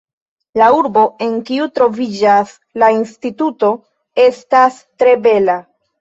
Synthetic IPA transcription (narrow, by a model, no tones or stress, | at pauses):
lauɾbo̞e̞ŋkiutɾo̞vid͡ʒas | lainstituto̞ | e̞stas | tɾe̞be̞la